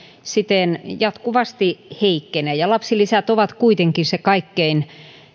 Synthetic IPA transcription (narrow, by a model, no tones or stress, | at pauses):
sit̪enjɑt̪kuʋɑst̪iheikːeneːjɑlɑpsilisæt̪oʋɑt̪kuit̪eŋkisekɑikːein